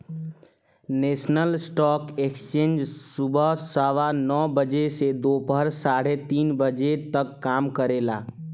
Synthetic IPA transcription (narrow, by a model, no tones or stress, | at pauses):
neːsnəlsʈɔːkekst͡ʃẽːnd͡ʒsubəsəʋanɔːbəd͡ʒesed̪oːpəɾsaːɽet̪iːnbəd͡ʒet̪əkːaːmkəɾeːla̰ː